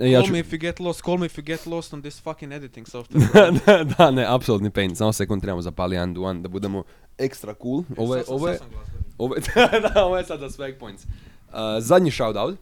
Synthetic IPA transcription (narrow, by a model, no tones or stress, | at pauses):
jaːlt͡ʃmiɪfjuɡɛt̪lˠɔst̪kʰolˠmiɪfjuɡɛt̪lˠɔst̪ɔnd̪ɪsfakɪ̃ŋed̪ɪt̪ɪ̃ŋsoft̪d̪d̪aneʔapsolut̪nipejnsamose̞kund̪t̪ɾebamozapaliand̪uand̪abud̪emo | ekst̪ɾakuːlˠoʋjʔoʋooʋod̪aoʋojesad̪zasʋek̚pojnt̪s | əzad̪ɲiʃawd̪awt̪